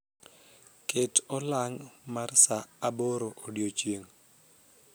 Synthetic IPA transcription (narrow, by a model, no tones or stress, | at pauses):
ketɔlaŋmarsaːboɾoʔodjot͡ʃjeŋ